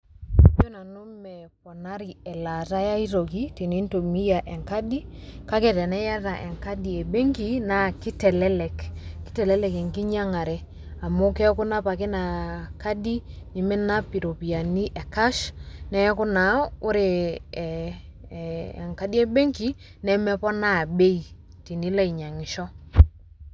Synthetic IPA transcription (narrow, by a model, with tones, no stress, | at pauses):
bo˦na˨no˦mɛkɔ˨na˦ɾi˨ɛ˨la˨ta˦ja˦i˦ɾo˨ki˦ti˨ni˦nto˨mi˦ja˨ʔɛ˨ŋka˦di˦ka˦kɛ˨tɛ˨nɛ˦ja˦ta˨ʔɛ˨ŋka˦di˨e˨be˦ŋki˨na˨ki˦tɛ˨lɛ˦lɛ˨kkːi̥˦tɛ˨lɛ˦lɛ˨kɛ˨ŋki˦ɲa˦ŋa˨ɾɛ˦ | a˨mʊ˦kɛ˦kʊ˦na˦pa˨kɪ˦na˨ka˦di˦ɲi˨mɪ˦na˦pi˨ɾo˨pi˨ja˨ni˦ʔɛ˨ka˦ʃnɛ˦kʊ˦na˨ʊ˦ɾe˨ | ŋka˨˦di˦e˦be˦ŋki˦ | nɛ˨mɛ˦pɔ˦na˦˨be˦i˨ | ti˨ni˦la˦i˨ɲa˨ŋɪ˨ʃɔ˦